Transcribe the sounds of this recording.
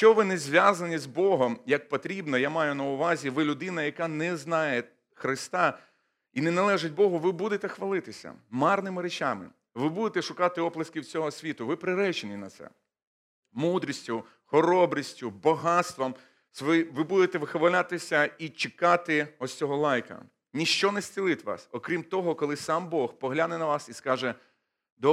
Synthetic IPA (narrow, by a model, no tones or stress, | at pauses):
ʃt͡ʃɔʋɪnɛzʲʋʲjazɐnʲizbɔɦɔmjɐk̚pɔt̪ɾʲibnɔjamɑjʊnɐʊʋɑzʲiʋɪlʲʊd̪ɪnɐjɐkanɛznɑje | xɾɪst̪ɑ | inɛnɐlˠɛʒɪt̚ʲbɔɦʊʋɪbud̪et̪ɛxʋɐlˠɪt̪ɪsʲɐ̰mɑrnɪmɪɾet͡ʃamɪ̰ | ʋɪbud̪et̪ɛʃʊkɑt̪ɪɔplˠɐskɪwt͡sʲɔɦɔsʲʋʲit̪ʊʋɪpɾɪɾɛt͡ʃenʲinɐ̰t̪sɛ̰ | mud̪ɾʲisʲtʲʊ | xɔɾɔbɾʲisʲtʲʊbɔɦɑt̪st̪ʋɔm | sʋɔiʋɪbud̪et̪ɛʋɪxʋɐlʲat̪ɪsʲɐit͡ʃekɑt̪ɪɔsʲt͡sʲɔɦɔlˠɑjkɐ̰ | nʲiʃt͡ʃɔnɛsʲt͡sʲilˠɪt̪ʲʋɑ̰sɔkɾʲimt̪ɔɦɔkɔlˠɪsɑmbɔxpɔɦlʲanɛnɐʋɑsiskɑʒɛ | d̪ɔ